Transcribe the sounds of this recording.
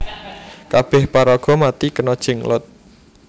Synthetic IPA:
kab̥ɛhpaɾɔɡ̥ɔ̤mat̪ikənɔd̥ʒ̥ɪ̤ŋlʊ̰t̪̚

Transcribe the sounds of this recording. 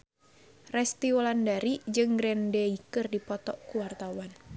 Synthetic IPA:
rɛst̪iɔlandaɾid͡ʒɨŋɡɾɛndɛikɨrdipɔt̪ɔʔkuwart̪awan

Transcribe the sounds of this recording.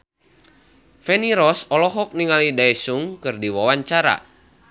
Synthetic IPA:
fɛniɾɔsɔlɔɦɔk̚niŋalidaɛsuŋkɨrdiwawaɲt͡ʃaɾa̰

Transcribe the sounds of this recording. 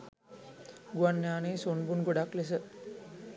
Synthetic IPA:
ɡuʋanːjaːneːsonbunɡoɖakles̬ə

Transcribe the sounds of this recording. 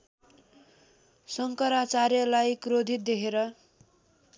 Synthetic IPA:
sʌŋkʌɾat͡saɾjʌlajkɾod̪ʱit̪̚d̪ekʰeɾʌ

